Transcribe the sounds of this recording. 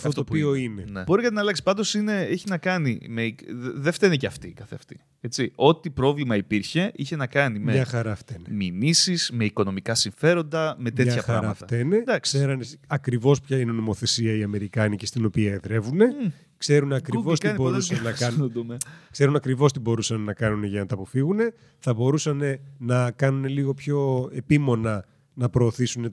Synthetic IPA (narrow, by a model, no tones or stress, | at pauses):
ɐfɐoft̪opioinenebo̞ɾikɐt̪inɐlɐksi̥pɐnd̪o̞sine̞eçinɐkɐnime̞ðeft̪eniceɐft̪ikɐθeɐft̪i̥ | e̞t͡sio̞t̪ipɾo̞vlimɐipiɾçe̞içe̞nɐkɐnimeɲɐxɐɾɐft̪eneminisiz̥me̞iko̞no̞mikɐsiɱfe̞ɾo̞nd̪ɐme̞t̪e̞çɐpɾɐ̰ɾɐmɐt̪ɐt̪ened̪ɐkseɾɐneɐkɾivo̞spçɐineno̞mo̞θe̞siɐiɐme̞ɾikɐnice̞st̪ino̞piɐeðɾe̞vune̞ | kse̞ɾunɐkɾivost̪iboɾusɐɐnnɐkɐnd̪umekse̞ɾunɐkɾivo̞st̪ibo̞ɾusɐnnɐkɐnuneʝɐnɐt̪ɐpo̞fiɣune̞ | θɐbo̞ɾusɐnenɐkɐnuneliɣo̞pço̞e̞pimo̞nɐ | nɐpɾo̞ːθisune